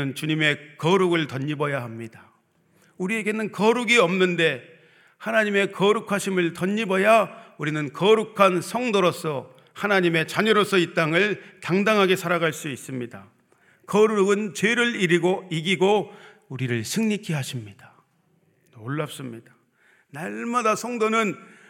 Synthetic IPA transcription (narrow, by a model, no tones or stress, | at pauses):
ɯnt͡ɕuɲime̞kʌɾuɡɯɭtʌɲːibʌjaɦamɲida | uɾie̞ɡe̞nɯnkʌɾuɡiʌmnɯnde̞ | hanaɲime̞kʌɾukʰaɕʰimɯɭtʌɲːibʌjauɾinɯnkʌɾukʰansʰʌŋdoɾos͈ʰʌ | hanaɲime̞t͡ɕaɲʌɾosʰʌit͈aŋɯɭtaŋdaŋɦaɡe̞sʰaɾaɡaɭs͈uis͈ɯmɲida | kʌɾuɡɯnt͡ɕe̞ɾɯɭiɾiɡoiɡiɡo | uɾiɾɯɭsʰɯŋɲikʰiɦaɕʰimɲid̥ḁ | noɭːap̚s͈ɯmɲid̥ḁ | naɭmadasʰʌŋdonɯn